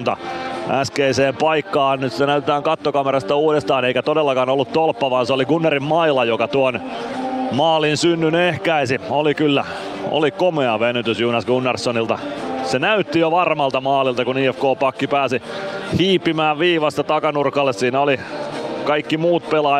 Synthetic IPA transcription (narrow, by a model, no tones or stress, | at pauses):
nt̪ɑ̰ʔæskeiseːmpɑikːɑːɑnnyst̪ænæyt̪et̪æːŋkɑt̪ːokɑmeɾɑst̪ɑuːɾest̪ɑːneikæt̪odelːɑkɑːnolːut̪t̪olpːɑʋɑːnseoliɡunːerimmɑilɑjokɑt̪uon | mɑːlinsynːynehkæisiolikylːæ̰ | ʔo̰likomeɑʋenyt̪ysjunɑsɡunːersːonilt̪ɑsenæyt̪ːijoʋɑrmɑlt̪ɑmɑːlilt̪ɑkuniːefkoːpɑkːipæːsihiːpːimæːʋʋiːʋɑst̪ɑt̪ɑkɑnurkɑlːessiːnæolikɑikːimuːt̪̚pelɑ